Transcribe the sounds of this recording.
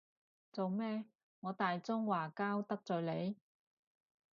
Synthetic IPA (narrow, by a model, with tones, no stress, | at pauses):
t͡so˨wmɛː˥ | ŋɔː˨˧t̪aː˨jt͡sʊ˥ŋwaː˨˩kaː˥wt̪ɐ˥k̚t͡sœː˨le˨˧j